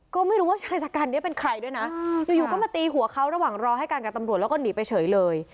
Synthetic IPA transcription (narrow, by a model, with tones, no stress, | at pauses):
kɔː˥˩ma˥˩jɾu˦˥waː˥˩t͡ɕʰaː˧jt͡ɕaː˨˩kːa˧nːi˥˩pe˧nkʰɾa˧jdu˥˩əjna˦˥juː˨˩juː˨˩kɔ˥˩maː˧t̪iː˧ɦu˨˩˦ɐkʰa˦˥wɾa˧waː˨˩ŋɾɔː˧ɦa˥˩jkaː˧nka˨˩t̪a˧mɾt̪̚lɛ˦˥kɔː˥˩niː˩˦pa˧jt͡ɕʰɤː˩˦jlɤː˧j